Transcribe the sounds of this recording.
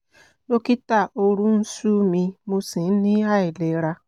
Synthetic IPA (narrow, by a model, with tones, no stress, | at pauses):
no˦ki˦ta˦˨o˦ɾu˦n̩˦su˦mi˧mu˦si˨n̩˦ni˦a˦ɪ˨le˨˦ɾa˦